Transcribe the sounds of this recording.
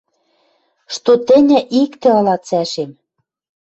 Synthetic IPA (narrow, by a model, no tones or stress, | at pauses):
ʃt̪ot̪ɘ̆nʲɘ̆ʔikt̪ɘ̆ɤ̆lɑt͡sæʃem